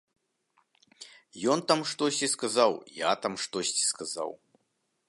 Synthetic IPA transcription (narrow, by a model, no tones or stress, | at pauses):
jɔnt̪amʂt̪ɔsʲt͡sʲiskazawja̰t̪amʂt̪ɔsʲt͡sʲi̥skaza̰w